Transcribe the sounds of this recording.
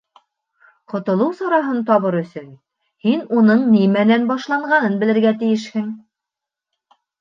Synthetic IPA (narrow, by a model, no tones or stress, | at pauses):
qŏt̪ŏlˠɤwsɑɾɑɦɤnt̪ɒβɤɾɵ̆sɵn | hinunɤɴnimænænbɑʃlˠɑɴɢɑnɤnbɘ̆lɘ̆ɾɡæt̪ɘ̆jɘʃhɘŋ